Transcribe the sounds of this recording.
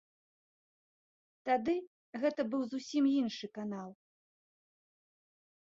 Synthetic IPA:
t̪ad̪ɨ | ɣɛt̪ɐbɨwzusʲimjinʂɨkanalˠ

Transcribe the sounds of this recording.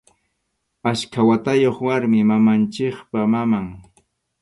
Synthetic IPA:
askʰawat̪ajoχwaɾmɪmamant͡ʃɪχpamamaŋ

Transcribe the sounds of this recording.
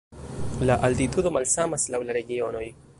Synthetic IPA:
laʔaltitudo̞malsamaslawlaɾe̞ɡio̞no̞j

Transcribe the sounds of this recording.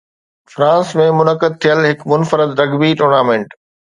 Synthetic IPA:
fɾãːsmẽmʊnəkəd̪̚t̪ʰijəlɦɪkmʊnfəɾəd̪ɾɐɡbiʈoːɾnaːmẽːɳʈ

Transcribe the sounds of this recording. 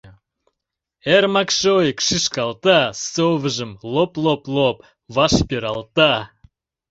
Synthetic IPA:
eɾmɑkʃojikʃɨʃkɑlˠt̪asovəʒə̆mlˠoplˠoplˠop | vɑʃpʲeɾɑlˠt̪ɑ

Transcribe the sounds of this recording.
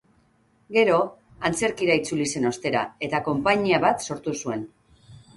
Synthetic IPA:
ɡe̞ɾo̞ | ant͡se̞ɾkiɾait͡sulise̞no̞st̪e̞ɾa̰e̞t̪ako̞mpaɲiaβat̪so̞ɾt̪usue̞n

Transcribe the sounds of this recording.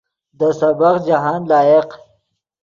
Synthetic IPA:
d̪əsabaqd͡ʒaɦɑːnlɑːeq

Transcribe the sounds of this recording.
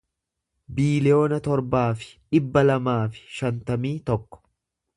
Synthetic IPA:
biːlɪjo̞ːnɐt̪ɔɾbaːfɪ̥ᶑɪbːɐlɐmaːfɪ̥ʃɐnt̪ɐmiːt̪ɔkːɔ̥

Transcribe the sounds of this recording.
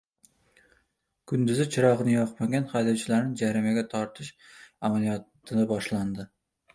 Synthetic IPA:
kʰʊnd̪ɪzɪt͡ʃʰɪɾɒʁɨnɪjɒqmaɡʲanχajlɪwt͡ʃʰɪlaɾnɪd͡ʒaɾimaɡʲat̪ʰɒɾt̪ʰɪʃamalijɒt̪ʰɪnabɒʃland̪ɪ

